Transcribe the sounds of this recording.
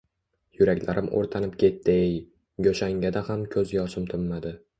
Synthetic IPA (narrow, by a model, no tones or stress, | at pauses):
jʊɾakʲlaɾʔɪmʔo̰ɾt̪ʰanɪpkʲʰe̞t̪ʰːɪj | ɡoʃaŋɡʲad̪ahamkʲʰɵzjɒʃɪmt̪ʰʊmːad̪ɪ